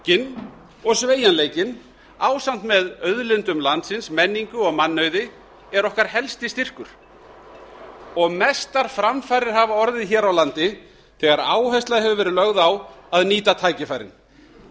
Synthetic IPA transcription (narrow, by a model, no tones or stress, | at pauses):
cɪn | ɔɣsveːjanleːjcɪn | aːwsam̥t̪mɛðœðlɪnt̪ʏmlant̪sɪnsmɛnːiŋkʏɔɣmanːœɥðɪ | ɛɾɔhkaɾ̥hɛlst̪ɪst̪ir̥kʏɾ̥ | ɔɣmɛst̪aɾ̥fɾamfajɾɪɾ̥ɦavaɔɾðɪðçɛːɾawlant̪ɪ | θɛɣaɾaːwɦɛst̪laðɦɛvʏvɛːɾɪlœɣðawaðniːt̪at̪ʰaːjcɪfaːjɾɪ̰n